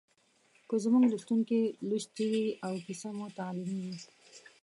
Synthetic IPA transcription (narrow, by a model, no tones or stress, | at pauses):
kozəmuŋɡluʃt̪uŋkeluʃt̪iwiawkisamot̪alɪmiwi